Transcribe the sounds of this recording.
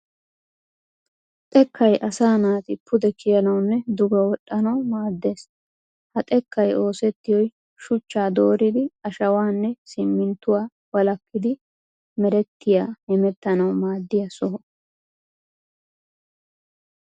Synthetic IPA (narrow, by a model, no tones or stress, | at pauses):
t̪ʼɛkːɐjʔɐsaːnaːt̪ɪpːʊd̪ɛkʰɪjɐnɐwnːɛd̪ʊɡɐwɔɗʼːɐnɐwmaːd̪ːe̞ːs | hɐt̪ʼɛkːɐjo̞ːsɛt̪ːɪjɔj | ʃʊt͡ʃːaːd̪o̞ːɾɪd̪ɪɐʃɐwaːnːɛsɪmːɪnt̪ːʊwaː | wɐlɐkːɪd̪ɪ | mɛɾɛt̪ːɪjaːhɛmɛt̪ːɐnɐwmaːd̪ːɪjɐsɔɦɔ